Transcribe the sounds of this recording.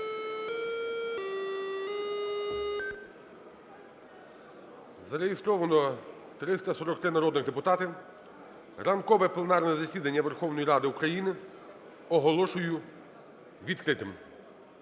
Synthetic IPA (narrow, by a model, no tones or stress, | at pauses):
zɐɾeɦist̪ɾɔʋɐnɔ | t̪ɾɪst̪ɐsɔɾɔkt̪ɾɪnɐɾɔd̪nɪɣd̪epʊt̪ɑt̪ɪ | rɐmkɔʋɛplˠenɑrnɛzɐsʲid̪ɐnʲːɐʋerxɔwnɔjiɾɑd̪ɪukɾɐjinɪ | ɔɦɔlˠɔʃʊjʊ | ʋʲid̪kɾɪt̪ɪm